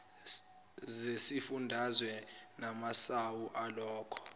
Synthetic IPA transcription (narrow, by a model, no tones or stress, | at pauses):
zesifundʱazwɛnamasawuʔalɔːkʰɔ̥